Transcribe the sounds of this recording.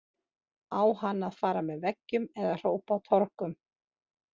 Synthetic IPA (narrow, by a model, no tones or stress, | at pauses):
aːwhanːaðfaːɾamɛðvɛcːʏmɛðar̥oːwpawt̪ʰɔɾ̥kʏm